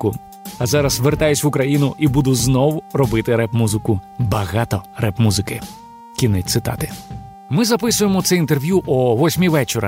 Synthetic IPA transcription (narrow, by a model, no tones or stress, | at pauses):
kʊ | ɐzɑɾɐsʋert̪ɑjʊsʲʋʊkɾɐjinʊʔibud̪ʊznɔwʊrɔbɪt̪ɪɾɛpmuzɪkʊbɐɣɑt̪ɔrɛpmuzɪkɪ | kʲinɪtʲt̪sɪt̪ɑ̰t̪ɪ | mɪzɐpɪsʊjemɔt̪sɛint̪e̞rʋʲjuʔɔʋɔsʲmʲiʋɛt͡ʃeɾɐ̰